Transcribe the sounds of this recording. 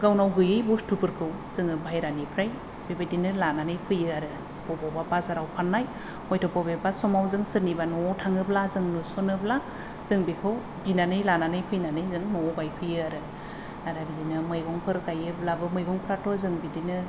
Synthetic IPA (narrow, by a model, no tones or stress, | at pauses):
ɡawnawɡɯjɯjbustupɯɾkʰɯw | zɯŋɯbajɾanipʰɾaj | bebadinɯlananɯjpʰɯjɯaɾɯ | pɔbababazaɾawpʰanːaj | ɔjtʰɔpɔbebasɔmawzɯŋsɯnibanɔtʰaŋɯblazɯŋnɯsɔnɯbla | z̥ɯŋbikʰɯw | binanɯjlananɯjpʰɯjnanɯjzɯŋnɔɡajpʰɯjɯaɾɯ | aɾabizinɯmɯjɡɔŋpʰɯɾkajɯblabɯmɯjɡɔŋpʰɾatʰɔzɯŋbidinɯ